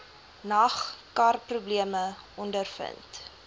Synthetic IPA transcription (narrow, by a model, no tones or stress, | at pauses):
nɐχkɐrprubliəməɔndərfə̰nt